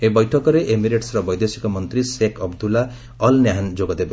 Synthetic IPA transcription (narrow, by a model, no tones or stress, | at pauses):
ebɔjʈʰɔkɔɾeʔemiɾeʈsɾɔbɔjd̪esi̥kɔmɔnt̪ɾisekɔbd̪ula | ɔlnjaɦand͡ʒoɡɔd̪ebɔ